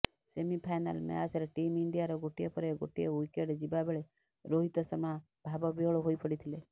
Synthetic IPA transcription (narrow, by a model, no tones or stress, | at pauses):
semipʰajna̰lmḛasɔɾeʈimiɳɖijaɾɔɡoʈiepɔɾeɡo̰ʈiewikeɖd͡ʒibabeɭe | ɾoɦit̪ɔsɔma | bʱabɔbiɔɭɔɦojpɔɽit̪ʰile